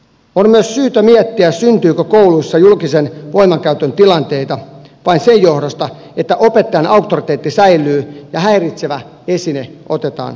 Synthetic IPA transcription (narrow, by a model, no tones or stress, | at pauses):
onmyøssyːt̪ømiet̪ːiæssynt̪yːkøkouluisːɑjulkisenʋoimɑŋkæyt̪ønt̪ilɑnt̪eit̪ɑʋɑinsejjohdost̪ɑ | et̪ːæʔopet̪ːɑjɑnɑuk̚t̪ːorit̪eːt̪ːisæilˑyːjɑhæirit̪seʋæ | esineʔot̪et̪ɑ̰ːn